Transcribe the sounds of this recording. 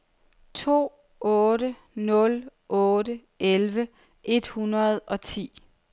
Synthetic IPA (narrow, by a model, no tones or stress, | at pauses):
t͡sʰo̝̰ː | ɔːɾə | nɔ̽lʔɔːdə | elʋə | ʔe̝d̥hunɐð̞ˠɒ̽t͡sʰḭː